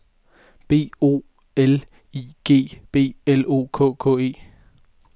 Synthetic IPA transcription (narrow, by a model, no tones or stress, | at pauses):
b̥e̝̰ːo̝̰ː | el | iɡ̥e̝̰ːb̥e̝̰ːelo̝̰ːkʰɔ̰̽ːkʰɔ̰̽ːe̝̰ː